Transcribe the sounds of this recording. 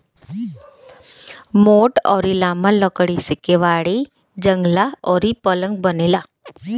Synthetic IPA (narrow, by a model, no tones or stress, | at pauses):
moːʈɔːɾilaːmaləkɽisɪkeʋaːɽi | d͡ʒəŋɡlaɔːɾipələ̃ŋɡ̚bəneːlaː